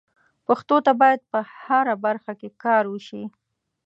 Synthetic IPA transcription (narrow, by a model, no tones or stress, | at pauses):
paxt̪ot̪abɑjad̪̚pəhaɾabaɾxakekɑɾwəʃi